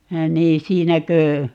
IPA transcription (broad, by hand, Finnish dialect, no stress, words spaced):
niː siːnækø